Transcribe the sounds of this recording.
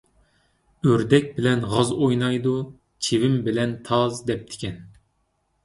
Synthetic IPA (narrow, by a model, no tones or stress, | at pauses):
øɾd̪ɛk̚ʲbɪlɛnʁɑzojnɑjd̪u | t͡ʃʰevɪmbɪlɛnt̪ʰɑzd̪ɛp̚t̪ʰɪ̥kʲʰɛn